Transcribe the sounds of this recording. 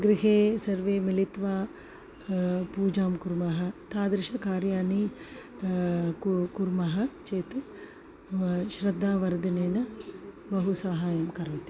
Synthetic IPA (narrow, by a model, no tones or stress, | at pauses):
ɡɾiɦeːsɐɾʋeːmilit̪ʋaː | puːd͡ʒaːmkuɾmɐɦɐ̆t̪aːd̪ɾiʃɐkaːɾjaːni | kuɾmɐɦɐt͡ʃeːt̪ | ʃɾɐd̪ʱːaːʋɐɾd̪ɐneːnɐ | bɐɦusaːɦaːjɐmkɐɾʋɐt̪i̥